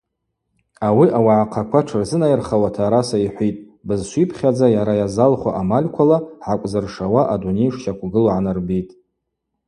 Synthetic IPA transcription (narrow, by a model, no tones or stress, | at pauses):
awiʔawaʕaqʰakʷʰaʈ͡ʂʰɨrzɨnajrχawatʰaːɾasaiħʷitʼ | bɨzʃʷipʰχʲad͡zajaɾajazalχʷa̰ʔamalʲkʷʰalaʕakʷʼzɨrʂawaʔadunejʂʃakʷʰɡɨloʕanɨrbitʼ